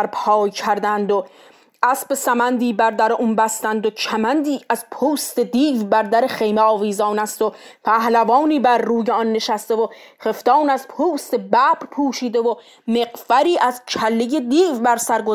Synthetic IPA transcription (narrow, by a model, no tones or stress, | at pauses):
ɾpʰɒːjcʰæɾd̪ænd̪o | ʔæsbesæmænd̪iːbæɾd̪æɾeʔuːnbæst̪ænd̪ocʰæmænd̪iːʔæzpʰuːst̪ed̪iːvbæɾd̪æɾeχejmeɒːviːzɒːnæst̪o | pʰæhlævɒːniːbæɾːuːjeɒnːe̞ʃæst̪evoχeft̪ɒːnæzpʰuːst̪e̞bæpɾpʰuːʃiːd̪e̞vo | me̞qvæɾiːʔæzcʰælːeje̞d̪iːvbæɾsæɾɡo